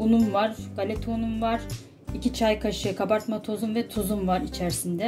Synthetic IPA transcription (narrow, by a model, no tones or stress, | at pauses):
unumvaɾɡ̥alʲet̪ʰunumvaɾ̥ | icit͡ʃʰajkʰaʃɯkʰabaɾt̪mat̪ʰozumvɛt̪ʰozumvaɾit͡ʃʰæɾsind̪ɛ